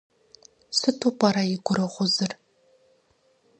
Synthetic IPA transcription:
sɨtʰopʼɐɾɐɪɡʷʊɾɨʁʷʊzɨr

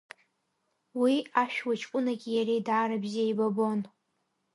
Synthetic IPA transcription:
wiaʃᶣwat͡ʃʰʼkʷʼʊnaɡʲijaɾejdaːɾabziajbabon

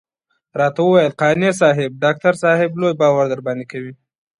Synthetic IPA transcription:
ɾɑt̪awəwajəlqɑnes̬ɑɦɪb̚ɖɑk̚t̪aɾsɑhɪblojbɑwaɾd̪əɾbɑnd̪ekawi

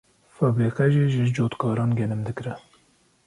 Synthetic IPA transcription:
fɑbeːqɛʒiːʒɨd͡ʒoːt̪kʰɑːɾɑːnɡʲɛlɨmd̪ɨkɾɛ

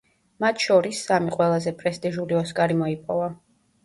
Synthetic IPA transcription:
mat̪ʰʃɔɾisːamiqʼwɛlˠazɛpʼɾɛst̪ʼiʒuliɔskʼaɾimɔipʼɔva

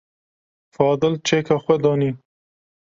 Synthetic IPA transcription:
fɑːd̪ɪlt͡ʃekaxwed̪ɑːni

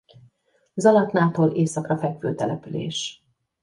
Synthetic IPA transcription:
zɒlɒt̪naːt̪oːlʔeːsɒkrɒfɛkʋøːt̪ɛlɛpylḛːʃ

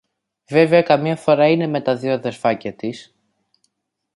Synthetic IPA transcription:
ve̞veɐkɐmɲɐfo̞ɾɐine̞me̞t̪ɐðioðe̞ɾfɐcɐt̪is

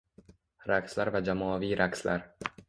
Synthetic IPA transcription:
ɾækslæɾvæd͡ʒæmɒːviːɾʔækslæɾ

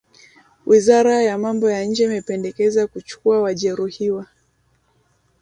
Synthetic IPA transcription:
wʔizaɾajamambɔjaɲ̩d͡ʒɛimɛpɛndɛkɛzakut͡ʃu̥kuawaʄɛɾuhiwa

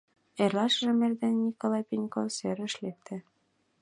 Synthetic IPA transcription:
erlˠɑʃʒɘ̆merd̪ænːikolˠɑjpʲinʲkosøɾɘ̆ʃlek̚t̪ʰɘ̆

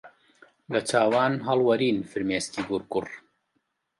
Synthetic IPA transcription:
lɐt͡ʃʰaːwaːnɦɐlwɐɾiːnfɨɾmeːst̪iːɡuɾkʊr

